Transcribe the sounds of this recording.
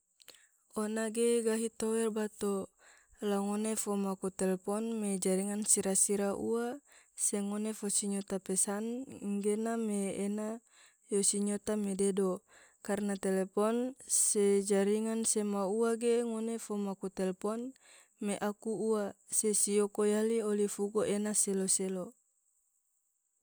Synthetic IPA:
onaɡeɡaɦit̪owɛlbat̪o | laŋonefomakut̪ɛlepɔnmed͡ʒaɾiŋansiɾasiɾaʔua | seŋonefosiɲot̪apɛsanŋɡenameːna | josiɲot̪amededo | karnat̪elepɔnsed͡ʒaɾiŋansemauaɡeŋonefomakut̪ɛlpɔn | meʔakuuasesiokojaliolifuɡoʔenaseloselo

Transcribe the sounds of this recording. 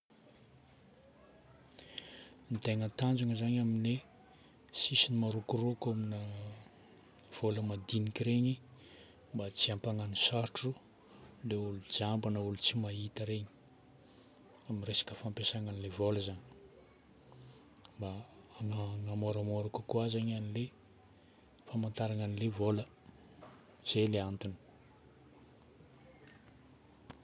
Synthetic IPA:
mit̪eŋənt̪and͡ʒuŋəzaɲamine | sisinimaɾukurokaminə | v̥oləmad̪inikʲiɾeɲi | mbat͡siampaŋanisaɾʈ͡ʂu | leulud͡ʒambanəulut͡simait̪əɾeɲi̥ | amiresḁkəfampesaŋanilevoləzaɲi | mbaaŋaŋamoɾamoɾakukuazaɲanile | famant̪aɾaŋanilevolə | z̥eleant̪uni̥

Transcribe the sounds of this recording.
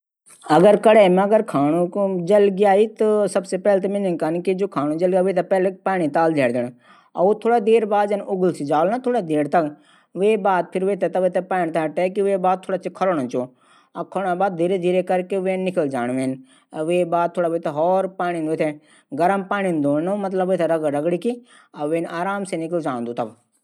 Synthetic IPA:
ɐɡəɾkɐɽemɐɡəɾkʰaːnũd͡ʒɐlɡijaːit̪ɐsɐbsepɛːlt̪ɐmɪ̃ninkankid͡ʒoːkʰaːnũd͡ʒɐlɡaːʋeːt̪̬ɐpɛːlepaːɳ̃it̪aːld͡ʒ̪ʱeːɽd̪ɪɳ̃ | ɐ̰ut̪ʰoːɽad̪eːɾbaːd̪d͡ʒɐnʊɡʊlsid͡ʒaːlnat̪ʰoːɽad̪eːɽt̪ɐk | ʋeːbaːd̪̚pʰɪɾʋeːt̪et̪ɐʋeːt̪epaːɳt̪ʰaːʈekiʋebaːd̪t̪ʰoːɽaːt͡ʃʰikʰɐlonõt͡ʃoː | ɐkʰɐlnabaːd̪̚d̪ʱiːɾed̪ʱiːɾekɐɾkeʋeːnːɪkəld͡ʒaːñʋeːn | ɐʋeːbaːd̪̚t̪ʰoːɽaːʋet̪eɦɔːɾpaːɽ̃inet̪ʰe | ɡɐɾəmpaːɳ̃ind̪oːnnomɐt̪̬ləbʋeːt̪ʰɐɾɐɡɾɐɡɽiki | ɐʋeːnaːɾaːmsenɪkəld͡ʒãːnd̪ut̪ɐb

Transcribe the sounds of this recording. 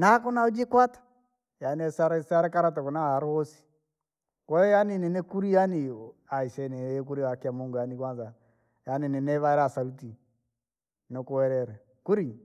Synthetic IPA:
nakɔnaud͡ʒekwatḁ | janɛsaɾɛsaɾɛkaɾatakɔnaaɾuhɔsi̥ | kwɛjaninɛnɛkuɾijaniaiʃɛnɛɛk̬uɾiakiamoŋɡɔjanikwanza | janinɛnɛβaɛɾasaluti | nɔkuwɛɾɛɾɛ | kuɾi

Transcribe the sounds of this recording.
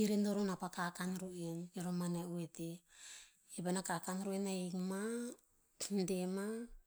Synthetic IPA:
iɾendoɾonapakakanɾueniɾomaneuete | ebanakakanɾuenaekma | dema

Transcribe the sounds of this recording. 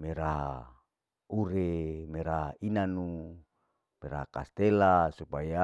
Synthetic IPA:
meɾaɦa̰ | uɾemeɾaɦainanu | meɾa̰ɦakast̪elasupaja

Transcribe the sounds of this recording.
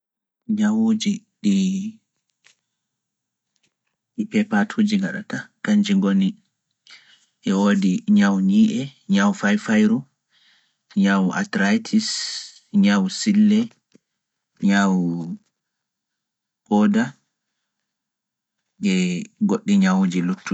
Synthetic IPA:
ɲawud͡ʒi | ɗi | ɗipɛpatʰud͡ʒiŋɡaɗa̰takaɲd͡ʒiŋɡoni | ʔɛwoːdiɲawɲiːʔɛɲawfajfajɾu | ɲawʔa̰tɾajtʰis | ɲawsilːɛ | ɲaw | ʔɔːda | ŋɡɛɡoɗːiɲawud͡ʒilutːu

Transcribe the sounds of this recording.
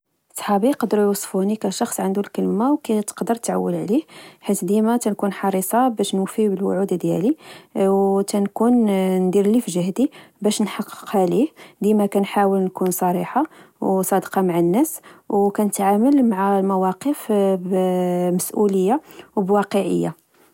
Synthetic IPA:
ʔsˤħɑbiqɑd̪əɾjwɑsˤfunikæʃɑxsˤʕənd̪ulkəlmawkæt̪ə̥qd̪əɾt̪ʕa̰wːəlʕlihħit̪d̪imæt̪ænkunħɑɾˤisˤɑbæʃnwfibəlwʊ̰ʕud̪d̪jæ̰liwt̪ænkunnd̪iɾlifʒəhd̪ibæʃnħɑqːə̥qhælihd̪imækænħawəlnkunsˤɑɾiħawsˤɑd̪qɑmaʕanːæswkænət̪ʕaməlmaʕalmæwɑqəfbməsʔuləjːawbwɑqəʕə̰jːa̰

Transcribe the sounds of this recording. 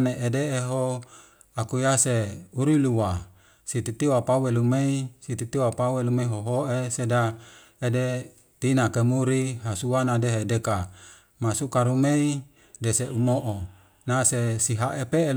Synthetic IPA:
neʔedeːɦo | akujaseuɾuiluwa | sit̪it̪ioapawelumeisit̪it̪ioapawelumeiɦoɦoʔeseda | ede | t̪inakemuɾiɦasuanadeɦedeka | masukaɾumei | deseʔumoʔo | nasesiɦaʔepeː

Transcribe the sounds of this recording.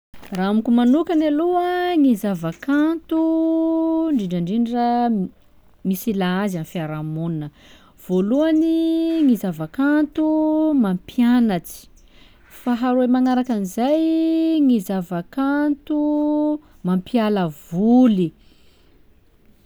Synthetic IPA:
raamikʲumanukanaluəŋizavakant̪u | ɳɖ͡ʐiɳɖ͡ʐaɳɖ͡ʐiɳɖ͡ʐə | misilaazanfiaɾamuninə | v̥oluaniŋizavakant̪umampianat͡si̥ | faɦaɾuemaŋaɾakanizajŋizavakant̪u | mampialəvuli

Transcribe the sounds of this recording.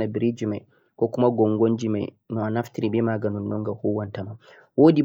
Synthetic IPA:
nabiɾid͡ʒimaj | kɔkumaɡɔŋɡoɲd͡ʒima̰j | nɔanaftiɾibɛmaːɡanɔnːɔŋɡahuwantama | woːdi

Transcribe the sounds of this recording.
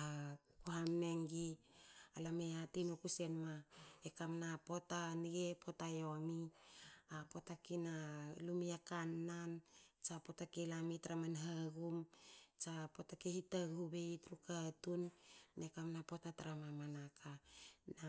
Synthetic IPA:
akuɦamneŋɡiː | lameatinokuse̞nmaekamnapo̞taniɡe̞pʰo̞tajo̞mi | apo̞takinalumiakanːant͡ʃapo̞takelamitaɾamanɦaɡumt͡ʃapo̞takehitaɡhube̞itɾukatunːekamnapo̞tataɾamamanakana

